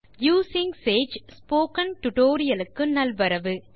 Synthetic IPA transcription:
juːsɪŋseːd͡ʒspoːkɐnʈʊʈoːɾɪjɐlɯkːɯnɐlʋɐɾɐʋɯ

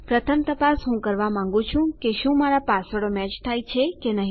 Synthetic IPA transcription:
pɾət̪ʰəmt̪əpasɦũkəɾʋamãŋ̆ɡũt͡ʃʰũkeʃũmaɾapasəɽomɛt͡ʃt̪ʰajt͡ʃʰekenəɦĩ

